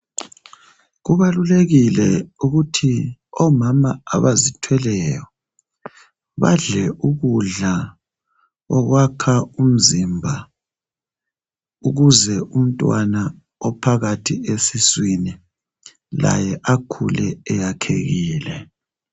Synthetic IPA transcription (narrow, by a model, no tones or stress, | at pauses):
ɣuβaluleɣilɛuɣutʰiɔmamaa̰βazitʰwɛlɛjɔ | βa̰ɮɛʔuɣuɮa | ɔɣwakʰaum̩zimbʱa | uɣuzɛʔum̩tʼwana | ɔpʰaɣatʰiesiswini | la̰jɛʔakʰulɛːjakʰḛɣiːlɛ